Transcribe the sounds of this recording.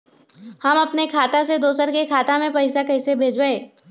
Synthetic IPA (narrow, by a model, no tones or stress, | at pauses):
hɐmɐpnekʰaːt̪ased̪oːsəɾkekʰaːt̪amẽpɐɪsakɐɪsebʱeːd͡ʒbəeː